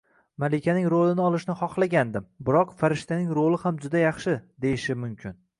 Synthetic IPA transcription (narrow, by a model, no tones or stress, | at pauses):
malɪkʲʰanɪŋɾolɪnɪɒlˠɪʃnɪχɒqlˠaɡʲand̪ɪmbɪɾɒqfaɾɪʃt̪ʰanɪŋɾolˠɪhamd͡ʒʊd̪ajɑχʃɪd̪e̞jɪʃɪmʊmkʲʰɪn